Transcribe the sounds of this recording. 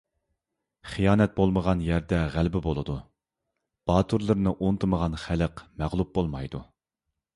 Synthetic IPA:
χijɑːnɛt̪̚bolˠməʁɑnjɛɾd̪ɛʁælbɪbolˠɨd̪u | b̥ɑːt̪ʰuɾlˠɨɾnɨʔont̪ʰɨməʁɑnχæləqmæʁlˠup̚bolˠmɑjd̪u

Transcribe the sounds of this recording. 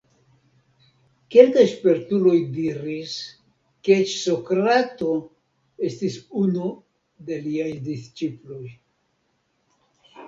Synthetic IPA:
ke̞lkajʃpeɾtulo̞jdiɾis | ket͡ʃso̞kɾato̞ | e̞stisunu | de̞liajdist͡ʃiplo̞j

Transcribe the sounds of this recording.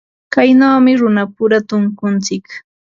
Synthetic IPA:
kajnawmɪɾʊnapʊɾat̪ʊŋkʊnt͡sɪk

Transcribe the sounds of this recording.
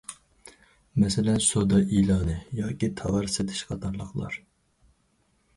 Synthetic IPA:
mɛsɪlɛnsod̪ɑʔilˠɑːnɨjɑːkʲit̪ʰɑvɑɾsɨd̪ʰɪ̥ʃqʰɑt̪ʰɑɾlˠəχlˠɑ̰ɾ

